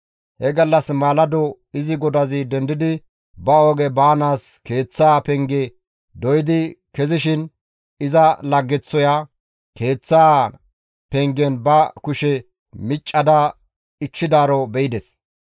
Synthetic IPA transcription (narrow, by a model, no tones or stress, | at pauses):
hɛɡɐlːɐsmaːlɐd̪ɔ | ɪzɪɡɔd̪ɐzɪd̪ɛnd̪ɪd̪ɪ | bɐoːɡɛbaːnaːske̞ːt͡sːaːpɛŋɡɛ | d̪ɔjɪd̪ɪkɛzɪʃɪn | ɪzɐlɐɡːɛt͡sːɔja | ke̞ːt͡sːaː | pɛŋɡɛnbɐkʊʃɛ | mɪt͡ʃʼːɐd̪ɐ | ɪt͡ʃːɪd̪aːɾɔbɛjɪd̪ɛs